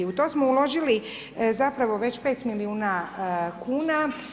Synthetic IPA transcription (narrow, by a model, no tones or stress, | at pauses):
iut̪o̞ːsmoulo̞ʒili | zapɾaʋo̞ʋe̞t͡ɕpe̞ːt̪miliuːnakʰuːna